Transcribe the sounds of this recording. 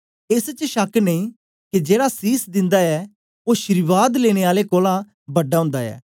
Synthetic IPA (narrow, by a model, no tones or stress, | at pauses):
ɪst͡ʃʃɐkneĩː | kid͡ʒeːɽasiːsd̪ɪ̃nd̪aɛː | oːʃəɾɪʋaːd̪leːɽ̃eːaːlekoːlã | bɐɖːaːɦʊ̃ːnd̪aɛ̰ː